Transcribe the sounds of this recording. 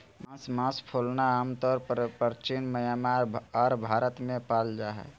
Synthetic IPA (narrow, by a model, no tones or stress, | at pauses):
mãsmãspʰolnaaːmt̪ɔɾppəɾt͡ʃinməjamaɾɔɾbʱaɾət̪mẽpald͡ʒaɦɛ̰